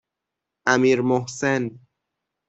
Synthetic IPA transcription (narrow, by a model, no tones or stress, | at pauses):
ʔæmiːɾmohsen